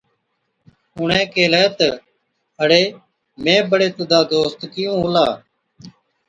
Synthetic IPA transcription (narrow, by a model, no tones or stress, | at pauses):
ʊɳɛ̃ːkeːlɛːt̪ə | əɽeː | mẽːbəɽeːt̪ʊd̪aːd̪oːst̪kɪjũːlaː